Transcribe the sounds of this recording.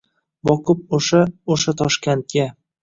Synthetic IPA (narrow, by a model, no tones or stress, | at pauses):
bɒkʰʊp̚oʃaoʃat̪ʰɒʃkʲent̪̚kʲa